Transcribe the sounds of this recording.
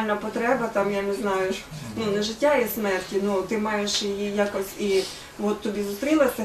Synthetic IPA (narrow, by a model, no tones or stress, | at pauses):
lʲnɐpɔt̪ɾɛbɐt̪ɑmjaneznɑjʊnunɛʒɪtʲːaismɛrtʲinut̪ɪmɑjeʃjijijakɔsʲi | ɔt̪ːɔbʲizʊst̪ɾʲilˠɐsʲɛ